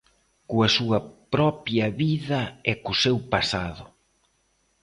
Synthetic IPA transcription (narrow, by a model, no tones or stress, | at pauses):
kuɐsuɐpɾɔpjɐβiðɐɛkʊsewpasaðʊ